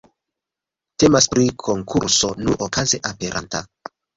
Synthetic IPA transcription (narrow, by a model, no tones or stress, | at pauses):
te̞maspɾikʰo̞ŋkʰuɾso̞nuʔokaze̞ʔape̞ɾʔa̰nta̰